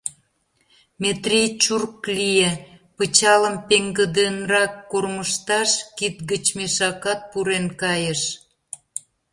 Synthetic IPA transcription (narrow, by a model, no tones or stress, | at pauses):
met̪rijt͡ɕurklijepət͡ɕɑləmpeŋɡə̆d̪enrɑkːorməʃt̪ɑʃkit̪̚ɡət͡ɕmeʃɑkɑt̪̚puɾenkɑjəʃ